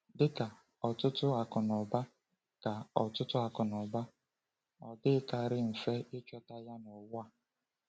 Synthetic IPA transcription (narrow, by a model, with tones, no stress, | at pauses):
dɪ˦ka˨ | ɔ˨tʊ˦tʊ˦a˨kɔ˨nɔ˨ba˦ | ka˨ɔ˨tʊ˦tʊ˦a˨kʊ˨nɔ˨ba˦ | ɔ˨dɪ˦ka˨ɾɪ˦m̩˨fe˦ɪ˦t͡ʃɔ˦ta˦ja˦nɔ˨wa˨